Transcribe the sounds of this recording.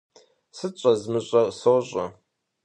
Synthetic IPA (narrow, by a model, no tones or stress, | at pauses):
sɨt͡ʃʼɐzmɨɕʼɐsoːɕʼɐ